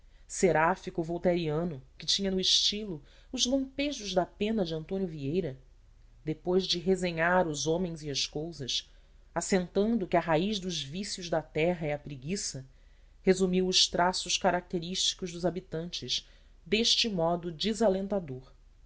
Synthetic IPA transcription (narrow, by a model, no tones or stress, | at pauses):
seɾafikʊvowt̪eɾiɐ̃nʊkɪt͡ʃĩɲɐnʊiʃt͡ʃilʊ | ʊzlɐ̃mpeʒʊʒd̪ɐpẽnɐd͡ʒɪɐ̃nt̪õnjʊviejɾɐ | d̪epojzd͡ʒɪɦezẽɲaɾʊzõmẽj̃ziɐskowzɐs | asẽnt̪ɐ̃nd̪ʊkɪɐɦaiʒd̪ʊzvisjʊʒd̪ɐt̪ɛɦɐɛɐpɾiɡisɐ | hezumiwʊʃt̪ɾasʊʃkaɾak̚t̪eɾiʃt͡ʃi̥kʊʒd̪ʊzabit̪ɐ̃nt͡ʃɪʃ | d̪eʃt͡ʃɪmɔd̪ʊd͡ʒizalẽnt̪ad̪oɾ